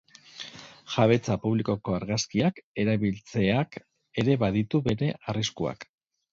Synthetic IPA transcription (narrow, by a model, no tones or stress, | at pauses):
ʝaβ̞e̞t͡sapuβliko̞ko̞aɾɣaskiake̞ɾaβilt͡se̞ak | e̞ɾe̞βaðit̪uβe̞ɾe̞ʔariskua̰k